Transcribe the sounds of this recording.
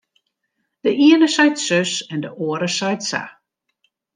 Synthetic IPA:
d̥əʔiənəsœjtsøsɛndəʔoəɾəsœjtsa̰

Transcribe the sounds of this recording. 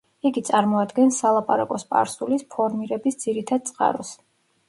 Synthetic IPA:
iɡit̪sʼaɾmɔad̪ɡɛnsalˠapʼaɾakʼɔspʼa̰ɾsulispʰɔɾmiɾɛbisd̪z̥iɾit̪ʰad̪t̪sʼqʼa̰ɾɔs

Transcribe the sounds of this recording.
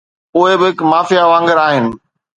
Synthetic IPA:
ʊɦebɪɦɪkmaːfijaʋãːŋɡəɾaːɦɪnɪ̆

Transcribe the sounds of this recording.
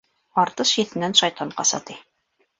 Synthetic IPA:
ɑɾt̪ɤʃjɘ̆θɘ̆nænʃɑjt̪ɑɴqɑ̰sɑ̰t̪i

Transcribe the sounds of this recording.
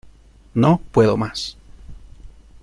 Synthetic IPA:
nopweðomas

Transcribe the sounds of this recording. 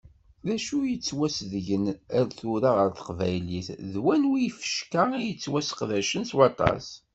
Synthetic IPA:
ðæʃujət͡sːwæsðʝənæɾθuɾaʁəɾθə̥qvæjliθðwænwifə̥ʃkəijət͡sːwæsqðæʃənswɑt̪ˤɑ̰s

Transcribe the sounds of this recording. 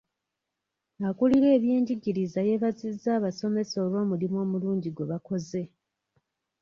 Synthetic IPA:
ŋakuliɾe̞ːβje̞ːɲɟiɟiɾizaje̞βazizaːβaso̞me̞so̞ːβo̞ːmulimo̞ːmuluːɲɟiɡweβako̞ze̞

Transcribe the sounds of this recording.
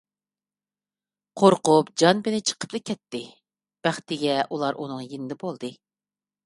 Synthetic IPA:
qʰoɾqʊpd͡ʒɑnbɪnɪt͡ʃʰə̥qʰə̥plˠɨkʲʰɛt̪ːɪ | b̥æχt̪ɪɡʲɛʔulˠɑɾʔṵnɨŋjinɪd̪ɛbolˠd̪ɨ

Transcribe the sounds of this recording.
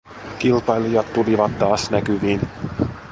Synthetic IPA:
kilpɑjlijɑt̪ːuliʋɑt̪ːɑːsnɛkyviːn

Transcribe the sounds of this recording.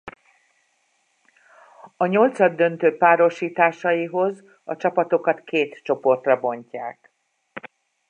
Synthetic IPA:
ɒɲo̞lt̪sɒd̪ːø̞nt̪øːpaːɾo̞ʃiːt̪aːʃɒjiɦo̞z | ɒ̰t͡ʃɒpɒp̪o̞kɒt̪kʰeːt̪t͡ʃo̞po̞rt̪rɒbo̞ɲca̰ːk

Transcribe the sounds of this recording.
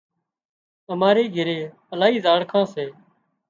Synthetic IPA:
əmaːɾeːɡʱɪɾeː | əlaːɦiːzaːɽkʰãːseː

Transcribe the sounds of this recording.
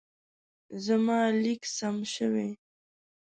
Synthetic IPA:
zamɑliksamʃəwe

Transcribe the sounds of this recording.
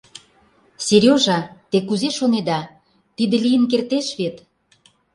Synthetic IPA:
seɾʲjoʒɑt̪ekuzeʃoned̪ɑ | t̪id̪ə̆lijənkert̪eʃβet̪

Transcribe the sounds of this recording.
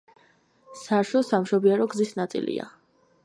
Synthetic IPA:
saɾʃɔsamʃɔbiaɾɔɡzisnat̪sʼḭlḭa̰

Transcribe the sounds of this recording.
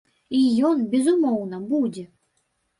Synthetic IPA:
ijɔnbʲɛzumɔwnɐbud͡zʲɛ

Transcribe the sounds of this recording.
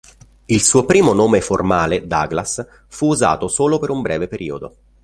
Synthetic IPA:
ilsuːopɾiːmonoːmeformaːled̪a̰ːɡlas | fuːza̰ːt̪osoːlopeɾumbɾɛːvepeɾiːod̪o̰

